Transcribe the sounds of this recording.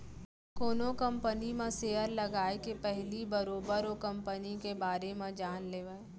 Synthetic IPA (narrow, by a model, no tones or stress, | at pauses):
koːnokɐ̃mpənimẽseːəɾlɐɡaːekepɛɦlibɐɾoːbəɾokɐ̃mpənikebaːɾemẽd͡ʒaːnleːʋe